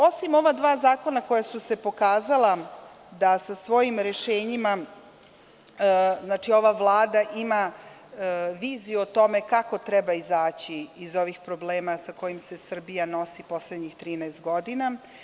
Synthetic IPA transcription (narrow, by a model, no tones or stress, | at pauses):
o̞simo̞ʋad̪ʋaːzaːko̞nako̞jasuse̞po̞kaːzala | d̪asasʋo̞jimɾeʃeːɲima | znaːt͡ʂio̞ʋavlˠaːd̪aʔima | ʋiːzijuot̪o̞me̞kako̞t̪ɾɛbaizaːt͡ɕiːzo̞ʋixpɾobleːmasako̞jimse̞sr̩bijano̞sipo̞sled̪ɲixt̪ɾiːnɛest̪̚ɡo̞d̪ina